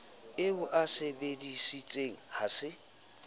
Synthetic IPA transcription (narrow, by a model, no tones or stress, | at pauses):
ɪʊʔasɪbedisit͡sʼeŋ̩hasɪ